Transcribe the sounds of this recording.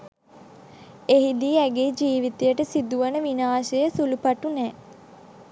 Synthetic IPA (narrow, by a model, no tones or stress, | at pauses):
eɦid̪iːæɡeːd͡ʒiːʋit̪ejəʈəsid̪uʋənəʋinaːʃəjəsulupaʈunɛː